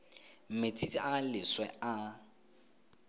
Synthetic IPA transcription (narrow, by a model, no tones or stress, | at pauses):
m̩met͡sʰit͡sʼialɪswɛʔa